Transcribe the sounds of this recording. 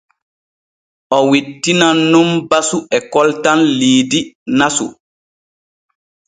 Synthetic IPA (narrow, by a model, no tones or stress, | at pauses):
ʔɔwitːinanːumbasuɛkɔltanliːdinasṵ